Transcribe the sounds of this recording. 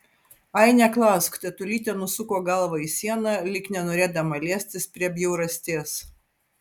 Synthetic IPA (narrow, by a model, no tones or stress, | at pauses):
ɐɪnʲɛklˠɑˑskt̪ʲɛt̪ʊlʲiːt̪ʲɛnʊsʊkoːɡɐlˠʋɐisʲiɛnɐlʲɪknʲɛnoːɾʲeːd̪ɐmɐlʲiɛsʲt̪ʲɪspʲɾʲiɛbʲjɛʊɾɐsʲt̪ʲeːs